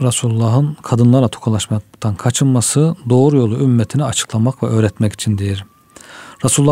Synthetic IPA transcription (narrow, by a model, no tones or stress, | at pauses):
ɾasulʲulːaɦɯnkʰad̪ɯnlˠaɾlˠat̪ʰokʰalˠaʃmat̪ʰankʰat͡ʃʰɯnmasɯd̪o̞ːɾujo̞lˠuymmːɛt̪ʰiniat͡ʃʰɯ̥klˠamakvɛø̞ːɾɛt̪mɛci̥t͡ʃʰind̪e̞jiɾ | ɾasuluː